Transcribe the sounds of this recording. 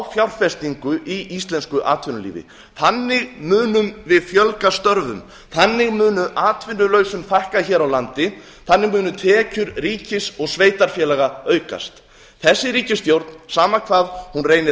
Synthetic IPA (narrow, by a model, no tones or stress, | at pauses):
fjawɾfɛst̪iŋkʏʔiist̪lɛnskʏʔa̰ːt̪ʰvɪnʏlḭːvɪ̰ | θanːɪɣmʏːnʏmvɪðfjœlkast̪œɾvʏ̰m | θanːɪɣmʏːnʏʔaːt̪ʰvɪnːʏlœːɥsʏmθajhkaçɛːɾawlant̪ɪ | θanːɪɣmʏːnʏt̪ʰɛːcʏɾriːcɪsɔɣsveːjt̪aɾ̥fjɛːlɛɣaœːɥka̰st̪ | θɛsːɪɾiːcɪsθjowɾt̪nsaːmakʰvaːðhunreːjnɪ